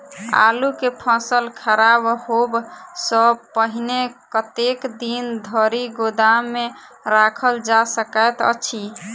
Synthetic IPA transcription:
a̰lukepʰə̃səlkʰəɾabhobsəbpəɦnekət̪ekd̪ind̪ʱɔɾiɡod̪amːe | ɾakʰəld͡ʒasəkət̪ə̰t͡ʃʰi

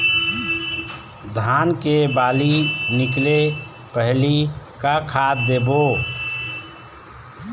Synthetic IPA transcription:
d̪ʱaːnkebaːlinɪkle | pəɦli | kakʰat̪d̪ebo

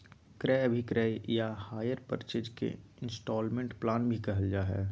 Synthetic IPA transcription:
kɾɛbʱikɾɛːjahaːjəɾpə̰ɾt͡ʃed͡ʒkḛɪ̃nsʈɔːlmẽɳʈplaːnbʱikɐɦəld͡ʒaːɦɛ̰ː

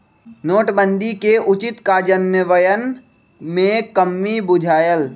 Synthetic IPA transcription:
noːʈbə̃nd̪ʱikeʔʊt͡ʃɪt̪kad͡ʒənjəʋəjən | mẽkəmːibʊd͡ʒʱaːjəl

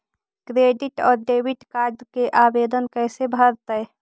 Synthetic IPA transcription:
kɾeːɖɪʈɔːɾɖeːwɪʈkaːɾɖkeʔaːbeːd̪ənkɛːsebʱəɾt̪əɛ

